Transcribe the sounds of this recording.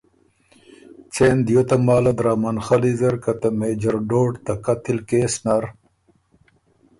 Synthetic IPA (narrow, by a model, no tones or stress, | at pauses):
t͡sʰeːnd̪jot̪ɐmaːlɐd̪ɾaːmanxɐlizɐɾkɐt̪ɐmeːd͡ʑɐɾɖoːʈt̪ɐkɐt̪ʰilkeːsnaɾ